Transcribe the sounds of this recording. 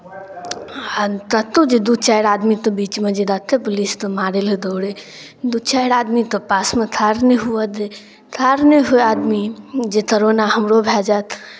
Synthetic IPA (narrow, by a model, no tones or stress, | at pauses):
at̪ət̪ːud͡ʒed̪ut͡ʃajɾad̪mit̪ɔbit͡ʃmed͡ʒed̪ət̪ʰːepulist̪ɔmaɾeled̪oːɽe | d̪ut͡ʃajɾad̪mit̪ɔpasmet̪ʰaɾneɦuəd̪e | t̪ʰaɾnəɦoad̪mid͡ʒet̪əɾonaɦəmɾobʱɛd͡ʒat̪ʰ